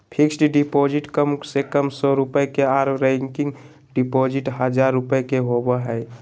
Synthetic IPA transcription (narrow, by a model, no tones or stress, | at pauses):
pʰiksʈɖipod͡ʒiʈkəmsekəmsɔɾupəjkeaɾɾɛ̃ŋkiŋɡ | ɖipod͡ʒiʈɦəd͡ʒaɾːupəjkeɦobəɦəɪ